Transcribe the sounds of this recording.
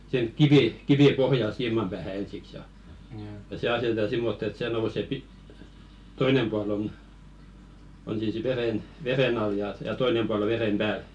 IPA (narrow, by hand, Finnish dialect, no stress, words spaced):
sĭh̆eŋ kiʋiˑ kiʋiˑ pohjɑl siːmɑm pæːhæ ensiks jɑ jɑ se ɑsetetɑ simːotː et seˑ nouse pi toinem puɑl on on siːs ʋeɾen ʋeɾen ɑl jɑ jɑ toinem puɑl o ʋeɾem b̥æːl